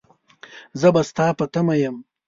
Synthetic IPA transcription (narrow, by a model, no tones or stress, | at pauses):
zəbast̪ɑːpɐt̪amajəm